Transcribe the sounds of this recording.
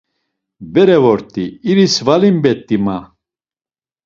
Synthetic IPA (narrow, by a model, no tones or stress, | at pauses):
bɛɾɛvɔɾt̪ʼiːɾisvalimbɛt̪ʼːima